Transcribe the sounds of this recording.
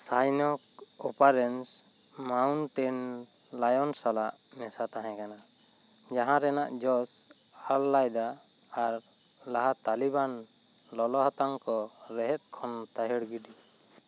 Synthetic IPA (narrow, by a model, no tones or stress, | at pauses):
sajnɔk̚ɔpaɾɛns | mawnʈɛnlajɔnsalaʔ | mɛsat̪aɦɛ̃kana | d͡ʒaɦãɾɛnaʔd͡ʒɔs | alːajd̪aːɾ | laɦat̪aliban | lɔlɔɦat̪aŋkɔɾɛɦɛt̪̚kʰɔnt̪aɦɛɽɡidi